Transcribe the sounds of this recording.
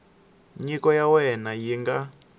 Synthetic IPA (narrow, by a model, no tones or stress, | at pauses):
ɲikɔjawɛnajiŋɡa